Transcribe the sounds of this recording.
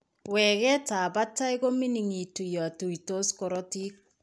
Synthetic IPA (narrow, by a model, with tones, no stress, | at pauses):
wɛː˨kɛ˦ta˨ba˦ta˦i˦ko˦mi˦ni˨ŋi˨tu˨jɔ˨a˨tu˨i˨to˦skɔ˨ɾɔ˦ti˦k̚